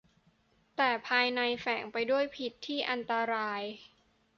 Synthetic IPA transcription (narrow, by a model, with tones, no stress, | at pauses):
t̪ɛː˨˩pʰaː˧jna˧jfɛ˩˦ŋpa˧jdu˥˩əjpʰi˨˩t̪ʰːiː˥˩ʔa˧nt̪a˧ɾaː˧j